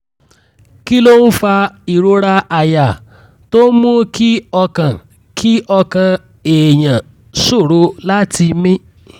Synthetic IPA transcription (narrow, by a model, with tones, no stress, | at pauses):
ki˦lo˦n̩˦fa˧i˨ɾo˨ɾa˧ʔa˨ja˨ | to˦mũ˦kʰi˦ɔ˧kã˨ | kʰi˦ɔ˧kã˧ | e˨jã˨ | so˦˨ɾo˨˦la˦ti˧mĩ˦